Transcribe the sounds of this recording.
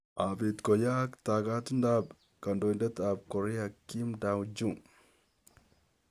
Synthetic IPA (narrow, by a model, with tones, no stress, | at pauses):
ʔabi˨t̪kɔ˨ja˦kt̪aː˨kaː˦t̪ʊ˦nd̪aːb | kɐ˨nd̪ɔː˨nd̪ɐ˦t̪aː˨b̚kɔ˨ɾi˦ɐ˨kːi˦md̪a˨wd͡ʒu˦